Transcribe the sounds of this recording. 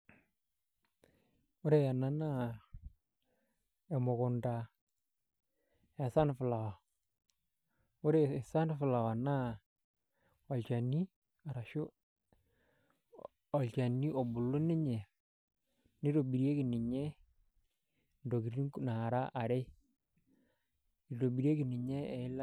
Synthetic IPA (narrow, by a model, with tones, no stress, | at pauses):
ʊ˦ɾe˨ja˨na˨na˦ | ɛ˨mʊ˨kʊ˨nda˨ | ɛ˨sa˦nfʊ˨la˨wa˨ | ʊ˦ɾe˨sa˦nfʊ˨la˨wa˨na˦ | ɔ˨lt͡ʃa˨nːi˦ | a˨ɾa˨ʃʊ˦ | ɔ˨lt͡ʃa˨ni˦ʔo˨bʊ˨lːʊ˦nɪ˦ɲɛ˨ | nɪ˦ɾo˨bi˨ɾje˦kɪ˨nɪ˨ɲɛ˦ | ndo˨ɡi˨ɾi˦ŋ˨na˨ɾa˦ʔa˨ɾe˦ | i˨ɾo˨bi˨ɾe˦kɪ˨nɪ˨ɲɛ˦ɛ˨ɪ˦l